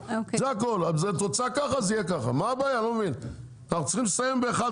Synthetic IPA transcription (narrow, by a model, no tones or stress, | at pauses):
ozeako̞lazet̪ot͡sakaχazijekaχa̰maːbaːjalomevin | naχutt͡siχimlesajembeːχa